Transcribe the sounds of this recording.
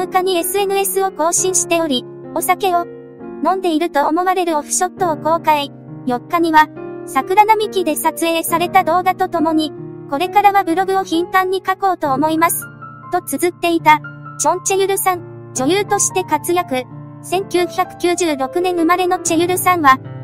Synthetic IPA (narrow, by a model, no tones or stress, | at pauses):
ɯ̟kaɲ̟ie̞sɨe̞nɯ̟e̞sɨo̞ko̞ːɕĩɰ̃ɕi̥t̪e̞o̞ɾʲi | o̞sake̞o̞ | nõ̞nd̪e̞iɾɯ̟t̪o̞ːmo̞βaɾe̞ɾɯ̟oɸɯ̟̥ɕo̞t̪ːo̞ːko̞ːkai | jo̞kːaɲ̟iβasakɯ̟ɾanamʲikʲid̪e̞sat͡sɨe̞ːsaɾe̞t̪ad̪o̞ːɡat̪o̞t̪o̞mo̞ɲ̟iko̞ɾe̞kaɾaβabɯ̟ɾo̞ɡɯ̟o̞çĩnt̪ãɲ̟ːikako̞ːt̪o̞ːmo̞imasɨ̥ | t̪o̞t͡sɨzɨt̪ːe̞it̪ad͡ʑõ̞ɲ̟t͡ɕe̞jɯ̟ɾɯ̟sãn | d͡ʑo̞jɯːt̪o̞ɕi̥t̪e̞kat͡sɨjakɯ̟ | sẽ̞ŋkʲɨːçʲakɯ̟̥kʲɨːʑɨːɾo̞kɯ̟nẽ̞ɰ̃ɯ̟maɾe̞no̞t͡ɕe̞jɯ̟ɾɯ̟sãɰ̃βa